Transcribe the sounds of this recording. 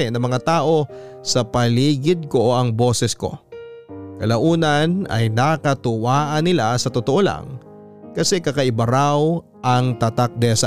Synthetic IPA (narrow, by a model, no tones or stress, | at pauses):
ɛnɐŋmɐŋat̪aːʔo̞ | sɐpɐliːɡɪd̪̚ko̞oʔɐŋbo̞ːsɛsko̞̰ | kɐlɐʔuːnɐnɐ̰jnakɐt̪ʊwaːʔɐnːɪlasɐt̪ot̪oʔo̞la̰ŋ | kɐsɛkɐkɐʔɪbɐɾaw | ʔɐŋt̪at̪ak̚d̪ɛsa